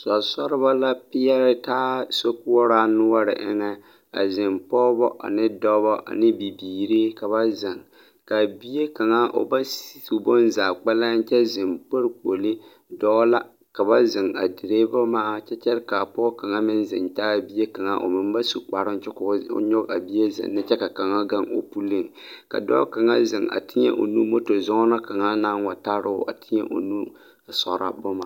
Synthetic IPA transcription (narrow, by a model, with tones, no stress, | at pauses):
sɔ˨sɔ˦ɾɪ˦βa˦la˦pɪ˦ja˦ɾɪ˦taː˦so˦kʊ˦wɔ˦ɾaː˦nʊ˦a˦ɾɪ̰˨ʔɪ̰˦ŋɛ˦ | ka̰˨zɪ˨mpɔː˦bɔ˦ʔa̰˨nɪ˦dɔ˦bɔ˦ʔa̰˨nɪ˦bi˨biː˨ɾi˦ka˨βa˦zɪ˨ŋ | ka˨bi˦je˦ka˨ŋa˦ʔo̰˨ba˦si˦su˨bo˦nzaː˨k͡pa˦la˦n̩˦t͡ʃɛ˦zɪ˨mk͡po˦ɾko˨lɪ˦ | dɔ˦la˦ | ka˨ba˦zɪ˨ŋa̰˨dɪ˨ɾeː˦ba˦maː˦˨t͡ʃɛ˦t͡ʃɛ˦ɾka˨pɔ˦ka˨ŋa˦mɪ˦nzɪ̰˨nta˦a˦˨bi˦je˦ka˨ŋa˨ʔo̰˨mɪ˨mba˦su˨k͡pa˨ɾɨ˦n˦t͡ʃɛ˦kʊ̰˨˦ɲɔ˦ka̰˨bi˦je˦zɪ̰˨nː˦ɨ˦t͡ʃɛ˦ka˨ka˨ŋa˦ɡa˦ŋo̰˨pu˦lːi˦˨ŋ | ka̰˨dɔ̰ː˦ka˨ŋa˦zɪ˨ŋa̰˨tʰɪ˦ɲɛ̰˦ʔo̰˨nu˦mo˦to˨zɔ˦ŋɔ˦na˦ka˨ŋa˦na˦nwa˨ta˦ɾɨ˦ʔa̰˨tʰɪ˦ɲɛ̰˦ʔo̰˨nu˦˨ | sɔ˨ɾa̰˦bo˦ma˦˨